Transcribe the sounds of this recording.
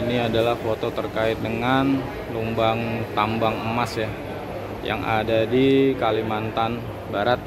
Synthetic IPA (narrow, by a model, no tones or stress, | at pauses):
iniadalahfot̪ot̪ərkaɪt̪̚dəŋan | lumbaŋt̪ambaŋəmasja | ja̰ŋa̰dadikalimant̪an | baɾat̪̚